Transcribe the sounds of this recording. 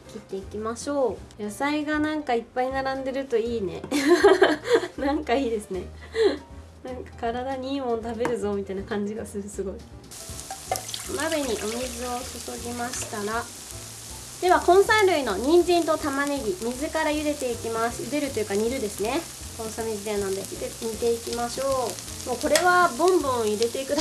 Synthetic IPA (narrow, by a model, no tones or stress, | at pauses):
kʲit̪ːe̞ikʲimaɕo̞ːjasaiɡanãŋkaipːainaɾãnd̪e̞ɾɯ̟t̪o̞iːne̞̰ | nãŋkaiːd̪e̞sɨne̞ | nãŋkḁkaɾad̪aɲiːmõ̞nt̪abe̞ɾɯ̟zo̞mʲit̪ainakãɲ̟d͡ʑiɡasɨsɨɡo̞i | mabeɲ̟iʔo̞mʲizɨo̞sɨso̞ɡʲimaɕi̥t̪aɾa | d̪̥e̞βakõ̞ɰ̃saɾɯ̟ino̞ɲ̟ĩɲ̟d͡ʑĩnt̪o̞t̪amaneɡʲimʲizɨkaɾajɯ̟d̪e̞t̪e̞ikʲimasɨ̥jɯd̪e̞ɾɯ̟t̪ojɯ̟kaɲ̟iɾɯ̟d̪e̞sɨne̞ | kõ̞ɰ̃samʲid͡ʑid̪eanãnd̪et̪eɲit̪e̞ikʲimaɕo̞ː | moːko̞ɾe̞βabõ̞mbõ̞ɰ̃iɾe̞t̪e̞ikɯ̟d̪